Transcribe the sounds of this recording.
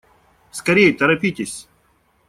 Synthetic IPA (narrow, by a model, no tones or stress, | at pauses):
skɐɾʲejt̪əɾɐpʲit̪ʲɪsʲ